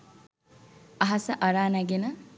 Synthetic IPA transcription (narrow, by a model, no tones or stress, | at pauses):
ɐɦɐsɐʔɐɾaːnɐɡenɐ